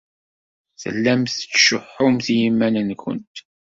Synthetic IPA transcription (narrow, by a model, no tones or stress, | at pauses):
θə̰lːæmθə̥t͡sːʃʊħːʊmθjimːænənçʊ̰nt̪